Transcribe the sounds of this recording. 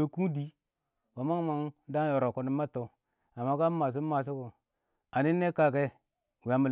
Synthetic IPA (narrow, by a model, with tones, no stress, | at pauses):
o˦ku˦di˦ | wa˨ma˦ma˨ŋ˦da˦jo˨ɾo˨ko˨ni˨˦mːa˦to˨ | a˨ma˦ka˦ma˨s̬u˦ma˨s̬u˦ko˨ | a˨ni˦nːe˦ka˦ke˦˨ | wi˨a˨˦mu˨